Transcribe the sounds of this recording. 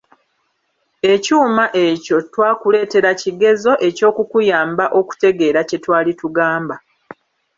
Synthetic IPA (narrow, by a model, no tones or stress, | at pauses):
e̞cuːmaʔe̞co̞twaːkule̞ːte̞ɾaciɡe̞zo̞ʔe̞co̞ːkukujaːmbaʔo̞ku̥te̞ɡe̞ːɾace̞twaːlituɡaːmba